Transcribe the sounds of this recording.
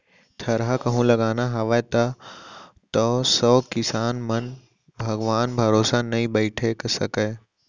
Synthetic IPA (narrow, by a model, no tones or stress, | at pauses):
t̪ʰɐɾɦakɐɦũlɐɡaːnaɦɐʋat̪ɐ | t̪ɔsɔːkɪsaːnmɐn | bʱɐɡʋaːnbʱɐɾoːsanɐĩbəɪʈʰeksɐ̰kə